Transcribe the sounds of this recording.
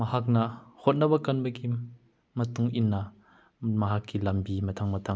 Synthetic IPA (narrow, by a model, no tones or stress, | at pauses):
mɐhak̚nɐhɔt̪̚nɐbɐkːɐnbɐkim | mɐt̪uŋʔinːɐ | mɐɦakːilɐmbimɐt̪ʰaŋmɐt̪ʰa